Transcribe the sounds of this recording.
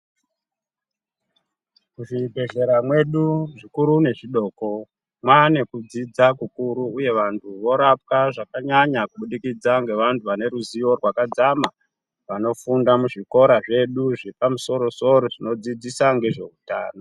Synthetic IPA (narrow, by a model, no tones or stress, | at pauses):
kuʐibʱe̞ɮe̞ɾamwe̞ɗuʐikuɾune̞ʐiɗo̞ːko̞ | mwane̞kud͡zid͡zakukuɾuːje̞ʋantʰuʋo̞ɾap̚kaʐakaɲaɲakuɓuɗikid͡zaŋɡe̞ʋantʰuʋane̞ɾuziʋo̞rwakad͡zama | ʋano̞fundamuʐiko̞ɾaʐe̞ɗuʐepamuso̞ɾo̞so̞ɾo̞ʐino̞d͡zid͡zisaŋɡe̞ʐe̞uta̰ːno